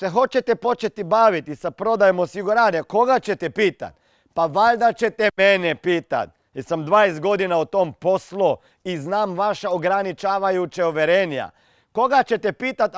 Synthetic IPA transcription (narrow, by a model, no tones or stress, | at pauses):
sexo̞t͡ʃet̪epo̞t͡ʃet̪ibaːʋit̪isapɾo̞d̪ajemosiɡuɾaːneko̞ɡat͡ɕet̪ɛpiːt̪a̰t̪̚ | paʋaʎd̪at͡ɕet̪emenepiːt̪a̰t̪̚ | isamd̪ʋaːest̪̚ɡo̞d̪inaot̪ompo̞slo | iznaːmʋaʃaoɡɾanit͡ʃaːʋajut͡ʃeoʋeɾenja̰ | ko̞ɡat͡ɕet̪epiːt̪at̪